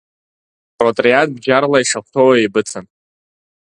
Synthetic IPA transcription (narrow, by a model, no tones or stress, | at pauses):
pʼrotʼriat̚ʰʼbd͡ʒarlaiʂaχʷtʰowaebɨt͡sʰan